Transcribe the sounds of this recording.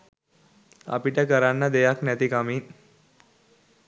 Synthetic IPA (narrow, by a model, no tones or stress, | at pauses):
a̰piʈəkəɾanːəd̪ejaknæt̪ikamin